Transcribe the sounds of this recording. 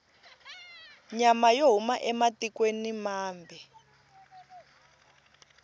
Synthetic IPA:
ɲamajoɦumaʔɛmatikwenimaːmbʱɛ

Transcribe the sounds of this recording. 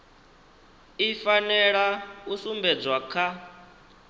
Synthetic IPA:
ifanɛɺausumbɛd͡zwakʰa

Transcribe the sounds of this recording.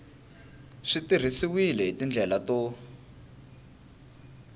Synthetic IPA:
ʂitir̤isiwilɛɦitind͡ɮʱɛlato

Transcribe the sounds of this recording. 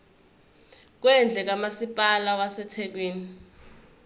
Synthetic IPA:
k̬wɛnd͡ɮʱɛk̬amasipʼalawasɛtʰɛk̬weːni

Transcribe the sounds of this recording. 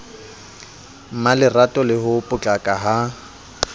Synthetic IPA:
m̩malɪratʼɔlɪhʊpʼʊt͡ɬʼakʼaɦa

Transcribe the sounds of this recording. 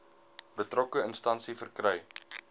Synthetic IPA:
b̥ətrɔkəənstɐnsifərkrœj

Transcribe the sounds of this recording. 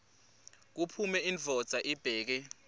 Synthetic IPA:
k̬upʰumɛinvʱɔd̥z̥ʱaʔib̥ʱɛːk̬ɛ

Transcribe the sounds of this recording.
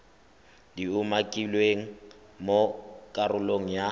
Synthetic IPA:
diumakʼilweŋ̩ | mokʼarʊloŋ̩ja

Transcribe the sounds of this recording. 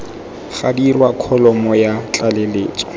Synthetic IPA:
χadirwakʰɔlɔmɔjat͡ɬʼaleleːt͡sʼɔ̥

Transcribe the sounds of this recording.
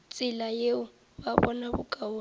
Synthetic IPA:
t͡sʼɪlajeʊ | baβɔnaβʊkʼao

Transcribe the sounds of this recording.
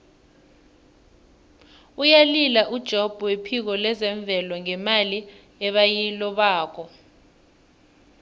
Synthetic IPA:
ujalilaʔud̥ʒ̥ʱob̥ʱuwepʰik̬ɔlɛzɛɱb̪vʱɛlɔŋɛmali | ɛɓajilɔɓaːkʰɔ

